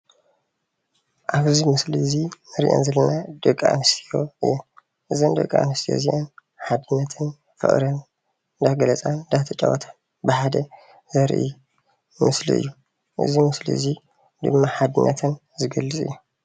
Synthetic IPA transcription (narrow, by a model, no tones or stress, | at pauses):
ʔaβɨzimɨslizinɨɾḭʔo̰nzɐlɐnad̪̥ɨkʼːa̰mɨst̪ʰijo̞̰ʔɨ̰jːo | ʔɨzind̪ɐ̰kʼːaa̰nɨst̪ʰijo̰ziʔan | ħad̪ɨnːɐt̪ʰɨn | fɨ̰χʼɾɐn | nd̪aɡɐlɐt͡sʼad̪at̪ʰɐt͡ʃʼɐ̰wɐ̰t̪ʰḁn | bɨħad̪ɐ | zɐɾʔḭ | mɨslḭʔɨ̰jːu | ʔɨ̰zimɨsliɨzi | d̪ɨ̰mːaħad̪ɨnːɐt̪ʰɨn | zɨɡɐlːɨt͡sʼɨ̰jːu